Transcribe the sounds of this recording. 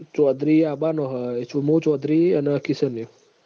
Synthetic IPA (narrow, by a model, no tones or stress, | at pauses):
t͡ʃɔd̪ʱɾiabanɔɦet͡ʃʰumũt͡ʃɔd̪ɾiənekisənju